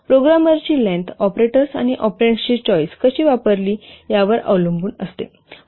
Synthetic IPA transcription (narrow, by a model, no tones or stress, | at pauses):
pɾoɡɾaməɾt͡ɕiːlẽnt̪ɔpɾeʈəɾsa̰ñiʔɔpɾeɳʈt͡ɕiːt͡ɕɔjskəɕiːʋapəɾliːjaʋəɾə̰ʋlumbuːnəst̪ḛ